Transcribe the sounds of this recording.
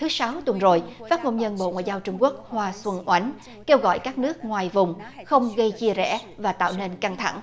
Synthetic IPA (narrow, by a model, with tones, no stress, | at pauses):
t̪ʰɨ˨˦sa˨˦wt̪wə˨˩nzo˨˩jfaː˦˥t̚ŋo˧nɲə˧nɓo̰˧˨ŋwa̰ː˧˨jzaː˧wt͡ɕʊ˧ŋ͡mku˦˥ək̚hwaː˧swə˧nʔwʔa˨˦jŋ | ke˧wɣɔ̰˧˨jkaː˦˥k̚nɨ˦˥ək̚ŋwaː˨˩jvʊ˨˩ŋ͡mxə˧wŋ͡mɣə˧jt͡ɕi˧əzɛ̰˧˩˥vaː˨˩t̪a̰ː˧˨wne˧nka˧ŋt̪ʰa̰˧˩ŋ